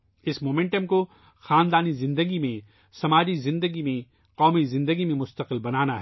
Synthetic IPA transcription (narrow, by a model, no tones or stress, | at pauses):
ɪsmoːmɛ̃ɳʈəmko | xaːnd̪aːnizɪ̃nd̪əɡimẽ | sɐmaːd͡ʒizɪ̃nd̪əɡimẽ | qɔːmizɪ̃nd̪əɡimẽmʊst̪əqɪlbɐnaːnaɦɛ